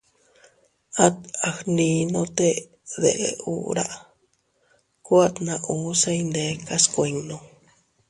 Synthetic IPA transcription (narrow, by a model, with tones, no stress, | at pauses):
a˦t̪a˨hnĩ˧nõ˧t̪e˦ | ðḛ˨ʔe˧ṵ˦ɾa˦ʔ | ku˦a˦t̪nã˧ʔũ˨˦sẽ˦˧ĩnd̪e˨˦ka˦skʷe˧ɲnõ˧